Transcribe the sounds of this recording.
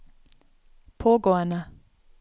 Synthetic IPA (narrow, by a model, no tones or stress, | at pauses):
pʰoɡɔana